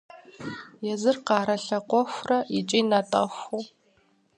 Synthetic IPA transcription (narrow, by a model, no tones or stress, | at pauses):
jɛzɨrqɑːɾɐɬɐqʷɔxʷrɐit͡ʃʼinatʼɐ̰xʷu